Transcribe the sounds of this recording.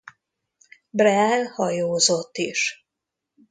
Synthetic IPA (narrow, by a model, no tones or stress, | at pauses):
brɛɛlhɒjoːzot̪ːiʃ